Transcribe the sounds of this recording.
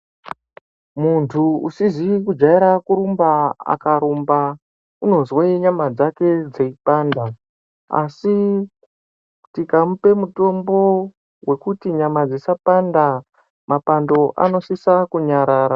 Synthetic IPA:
muntʰuusizikud͡ʒaiɾakuɾumbaa̰kaɾumba | uno̞zweiɲamad͡zake̞d͡ze̞ipaːnda | a̰si | tikamupe̞muto̞mbo̞ | we̞kutiɲamad͡zisapanda | mapando̞ʔa̰no̞sisakuɲaɾaːɾa

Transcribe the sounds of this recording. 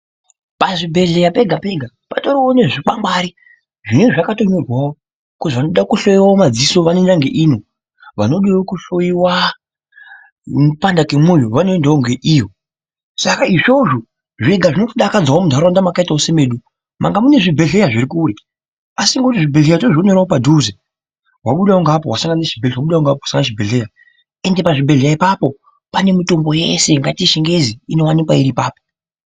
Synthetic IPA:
paʐibʱe̞ɮe̞jape̞ɡʱape̞ɡʱa | patoɾioneʐik͡pambaɾi | ʐineʐakato̞ɲorwawo | kuʐʋanoɗaokuɬo̞jiwaomad͡ziso̞ʋanendaŋɡeʔiːno̞ | ʋano̞ɗewokuɬojiwa | mupandakemojoʋano̞endaoŋɡe̞ʔijo̞ | sakaiʐo̞ʐo | ʐiɡʱaʐino̞toɗakad͡zwawomudʱaɾandamakaitausemeɗu | ma̰ŋɡamune̞ʐibʱe̞ɮe̞jaʐiɾikuːɾe | asiŋɡotiʐibʱeɮejatoʐonoɾaopadʱuze | waɓuɗaoŋɡapowasaŋɡanaʃibʱewaɓuɗawoŋɡap̬owasaŋɡanaʃibʱeɮe̞ja | ende̞paʐibʱeɮejaipapo̞ | pane̞mito̞mbo̞jḛse̞ŋɡatiʃiŋɡe̞ziino̞wanikwaiɾipaːpo

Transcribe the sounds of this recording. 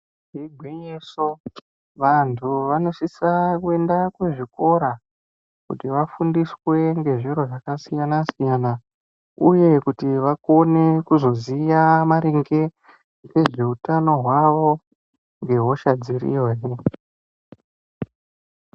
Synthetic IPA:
iɡʱweɲeso | ʋantʰuʋano̞sisakue̞ndakwe̞ʐiko̞ɾa | kṵtiʋafundiswe̞ŋɡe̞ʐiɾo̞ʐakasijanasijana | uje̞kutiʋako̞ne̞kuzo̞zijamaɾiŋɡe̞ | ɡe̞ʐe̞utano̞ɦwaʋo̞ | ŋɡe̞ɦo̞ʃad͡zirḭjoːje

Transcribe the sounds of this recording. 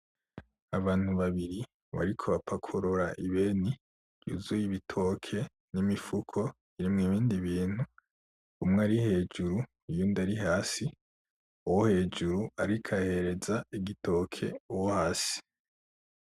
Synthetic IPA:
aβaːn̥huβaβiɾi | βa̰ɾikʰo̞βapʰakʰoɾoɾaʔiβe̞ni̥ | jṵzujiβitʰo̞ːkʰe̞ | nimifukʰo̞ | iɾimŋiβiːndiβiːn̥hu | umŋaɾihe̞ːd͡ʒuɾu | ijundaɾihaːsi | uwohe̞ːd͡ʒuɾuaɾikʰahe̞ɾe̞zaiɡitʰo̞ːkʰe̞̰uwohaːsi̥

